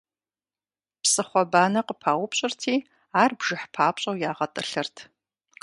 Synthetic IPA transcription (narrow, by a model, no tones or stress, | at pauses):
psɨχʷɔbaːnɐqəpʰaːwʊpɕʼɪrtʰiː | aːrbʒɪħpʰaːpɕʼɐwjaːʁɐtʼɨɬɨrtʰ